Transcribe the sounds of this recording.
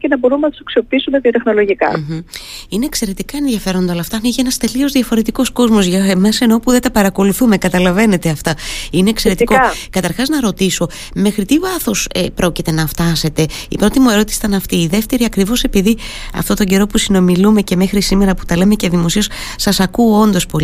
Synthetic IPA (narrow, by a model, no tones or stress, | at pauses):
cenɐbo̞ɾumnɐt̪u̥sɐksio̞piisumt̪ɐðijot̪exno̞loʝikɐ̰m̩ | ine̞ːkse̞ɾe̞t̪ikɐe̞nðʝɐfe̞ɾo̞nd̪ɐolɐft̪ɐniʝienɐst̪e̞lio̞zðiʝɐfo̞ɾe̞t̪iko̞sko̞zmo̞zʝɐmeseno̞puðet̪ɐpɐɾɐko̞luθume̞kɐt̪ɐlɐve̞ne̞t̪e̞ɐft̪ɐine̞ːkseɾet̪kokɐt̪ɐɾxɐznɐɾo̞t̪iso̞ | mexɾit̪ivɐθo̞sepɾo̞cit̪e̞nɐft̪ɐse̞t̪e̞ipɾo̞t̪imue̞ɾo̞t̪i̥si̥t̪ɐnɐft̪iːðe̞ft̪e̞ɾiɐkɾivo̞se̞piði | ɐ̰ft̪o̞t̪oɲɟe̞ɾo̞pusino̞milume̞ce̞me̞xɾisime̞ɾɐput̪ɐle̞me̞ceðimo̞sios | sɐsɐkuo̞nd̪o̞spo̞l